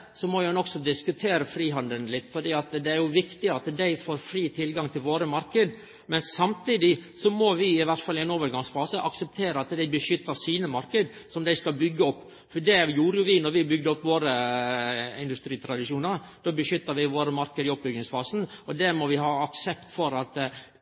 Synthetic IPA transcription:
sɔmɔjhɛnɔksɔd̪ɪskʉt̪ʰeːɾəfɾiːɦɑnd̪əlnlɪt̪ːfɔɖiːɑt̪d̪ɛæɾjʊʋɪkt̪ɪɑt̪d̪æɪfoːɾfɾiːt̪ʰɪlɡɑŋt̪ʰɪlʋoːɾəmɑɾkəd̪ | mɛnsɑmt̪ʰiːd̪ɪsɔmɔʋɪɪʋæɾʈ̪fɑlɪæɪnoːʋəɾɡɑŋsfɑːsəʔɑksəp̚t̪ʰeːɾəɑt̪d̪æɪbəʃʏt̪ːəsiːnəmɑɾkəd̪ | sɔmd̪æɪskɑlbʏɡːəɔpː | ɔd̪ɛjuːɾəjʊʋɪnɔɾʋɪbʏɡ̚d̪əɔpːʋoːɾə | ɪ̰nd̪ʉst̪ɾiːt̪ʰɾɑd̪ɪʂuːnɑɾ | d̪̥oːbəʃʏt̪ːəɾʋɪʋoːɾəmɑɾkəd̪ɪɔp̚ːbʏɡnɪŋsfɑːsn̩ɔd̪ɛmɔʋɪhɑːɑksɛpt̪fɔɾɑt̪

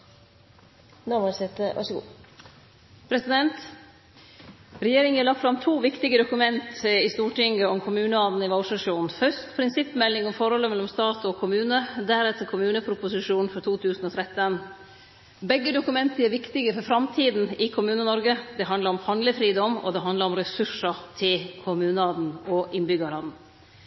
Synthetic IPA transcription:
noʋoɾsɛt̪əʋɑ̰ʂɡṵː | pʰɾɛsɪd̪ɛnt̪ | ɾɛjeːɾɪŋæːɭɑkt̪fɾɑmt̪ʰuːʋɪkt̪ɪɡəd̪ʊkʉmɛnt̪ɪst̪uːʈɪŋɡəɔmkʰʊmʉːnəɑːd̪n̩ɪʋɑʊʂɑʂuːnnfœʂt̪pʰɾɪnsɪpːmɛlːɪŋɔmfɔɾhɔlːəmɛlːɔmst̪ɑːt̪ɔkʰʊmʉːnəd̪æɾɛt̪ːəɾkʰʊmʉːnəpʰɾʊpʊsɪʂuːnfɔɾt̪ʰuːt̪ʰʉːsn̩ɔt̪ʰɾɛt̪ːən | bɛɡːəd̪ʊkʉmɛnt̪əæɾʋɪkt̪ɪɡəfɔɾfɾɑmt̪ʰiːd̪n̩ɪkʰʊmʉːnənɔɾɡəd̪ɛɦɑnd̪ləɾɔmhɑnd̪ləfɾiːd̪ɔmːɔ̰d̪ɛɦɑnləɾɔmɾɛsʉʂət̪ʰɪlkʰʊmʉːnəɑːd̪n̩ɔʔɪnbʏɡɑlɑːd̪n̩

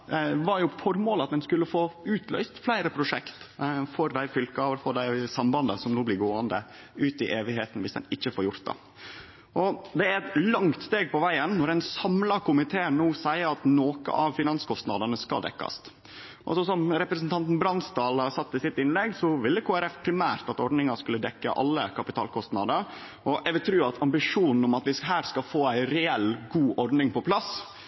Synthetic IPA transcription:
ʋɑɾjʊfɔɾmoːlɑt̪̚d̪ɛnskʉlːəfoːʉːt̪ʰlœ̰ʏst̪flæɪɾəpʰɾʊʂɛkt̪fɔɾd̪æɪfʏlkʋəɾfɔd̪æɪsɑmbɑnd̪ə̰sɔmnuːblɪɾɡoːənd̪ə̰ | ʉːt̪ɪʔeːʋɪɦeːt̪n̩ʋɪsd̪ɛ̰nɪçːəfɔːɾjʊɾt̪̚d̪ɑ̰ | ʔɔd̪ɛæɾɛt̪lɑŋt̪st̪eːɡ̚pɔʋæɪənːɔɾɛɪnsɑmlɑkʊmɪt̪ʰeːənnuːsæɪəɾɑt̪noːkə̰ʔɑʋfɪnɑnskʰɔst̪nɑd̪ənəskɑ̰ld̪ɛ̰kːɑ̰st̪ | ʔɔ̰sɔsɔmɾɛpɾəsn̩t̪ʰɑnt̪n̩bɾɑnst̪ɑːlhɑsɑt̪ːɪsɪt̪ɪnlɛɡsɔʋɪlːəkʰoːæɾɛfpʰɾɪmæːɾt̪ɑt̪ɔɖɳɪŋɑʂkʉlːəd̪ɛkːə̰ʔɑ̰lːə̰kʰɑpɪt̪ʰɑ̰ːlkʰɔst̪nɑd̪əɾ | ʔɔʔɛʋɪlt̪ʰɾʉːɑt̪ʰɑmbɪʂuːnn̩ʊmɑt̪ʋɪɦæːɾskɑfoːæɪɾɛɛlɡuːʔɔɾɖnɪŋpɔpʰlɑs

